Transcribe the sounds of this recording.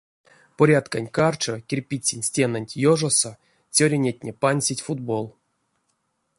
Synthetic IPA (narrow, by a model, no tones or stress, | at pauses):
poɾʲat̪kanʲkart͡ʃokʲerʲpʲit͡sʲːinʲsʲtʲenanʲtʲjoʐoso | t͡sʲoɾʲenʲetʲnʲepanʲsʲitʲfud̪bo̞lˠ